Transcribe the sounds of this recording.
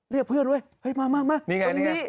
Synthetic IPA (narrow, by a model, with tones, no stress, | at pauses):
li˧˩pʰɯ˧˩ənɗu˧˩˨jha˧˩jmaː˧˥˩maː˧˩maː˧˥˩miː˧ŋa˧˨˧i˦˨˥